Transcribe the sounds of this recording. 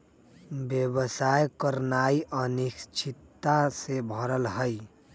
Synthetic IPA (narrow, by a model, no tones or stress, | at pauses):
bjəbəsajkəɾnaːiʔənikt͡ʃʰit̪ːasebʱəɾəlɦəj